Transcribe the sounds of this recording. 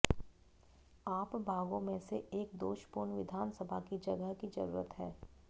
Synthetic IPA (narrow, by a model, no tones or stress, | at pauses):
aːpbʱaːɡõmẽseeːkd̪oːʃpuɾnʋɪd̪ʱaːnsəbʱakid͡ʒɐɡəɦkid͡ʒɐ̰ɾṵːɾət̪ɦɛː